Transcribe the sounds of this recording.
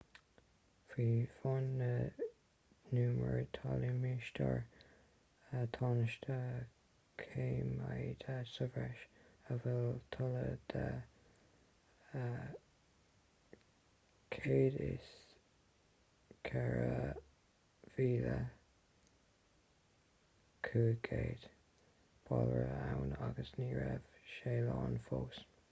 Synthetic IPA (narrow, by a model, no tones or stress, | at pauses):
fiːfɔnːə | nuːməɹt̪ʰɑlimiʃtʰəɹ | ət̪ʰɑnəʃtʰə | kʰeːmajd̪ʰasəvɹɛʃəvɛlt̪ʰʊləd̪̥ə | kʰeːdɪs | kʰɛɹə | v̥iːlə | kʰuːkʰeːd̪̥ | b̥ʰɑlɹəawnaɡəsniːɹɛv̥ʃeːlɑːnfoːs